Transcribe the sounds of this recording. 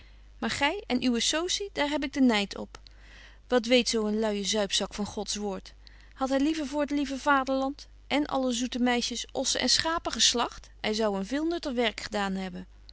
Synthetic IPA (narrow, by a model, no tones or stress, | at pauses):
maːɹχɛjɛnʔyʋəsowsidaːɹɦɛp̬ɪɡ̚dənɛjtʰɔ̰p | ʋɑtʋejtsowənlœɥəzœɥpsɑkfɑnχɔtsʋʊːɹt | hɑtɦɛjlivəvʊːɹətlivəvaːdəɹlɑnt | ʔɛnʔɑ̰ləzutəmɛjʃəsʔɔsəʔɛ̰nsχaːpəχəslɑχt | ɛjzɑwənvɪːlˠnɵtərʋɛɹkχədaːnɦɛbən